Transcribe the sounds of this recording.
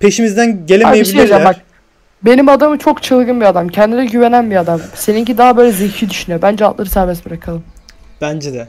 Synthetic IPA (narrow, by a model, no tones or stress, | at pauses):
pʰe̞ʃimizd̪ænɟelʲea̰ejeiʃbilejd͡ʒabak̚ | be̞nimad̪amɯt͡ʃʰo̞kt͡ʃʰɯlˠɡɯnbiad̪amcʰɛnd̪inɛɟyve̞nænbiad̪amse̞niɲcid̪aɦabøjlʲɛzeçid̪yʃynyjobænd͡ʒɛant̪lˠaɾɯsæɾbɛsbiɾakʰalˠɯm | b̥ænd͡ʒɛd̪ɛ